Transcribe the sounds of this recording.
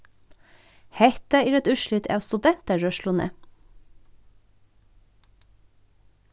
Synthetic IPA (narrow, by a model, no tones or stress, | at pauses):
hɛt̪əiːɾɛt̪ʉʃlɪt̪ʰḛɑːʋst̪ʉd̪ɛnt̪əɹœʃlʊnḛː